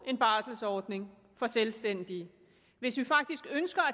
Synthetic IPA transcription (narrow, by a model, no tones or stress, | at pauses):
ʔe̝nb̥ɑ̈ːsl̩sɒːd̥ne̝ŋ | fɒ̽selsd̥en̰d̥i | ʋe̝sʋifɑ̈ɡ̥̚d̥isɡ̥ønsɡ̥ɐæ